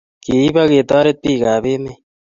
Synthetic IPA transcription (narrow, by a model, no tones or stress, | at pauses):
kiibɐɡeːt̪aːɾet̪̚piːɡaːbeme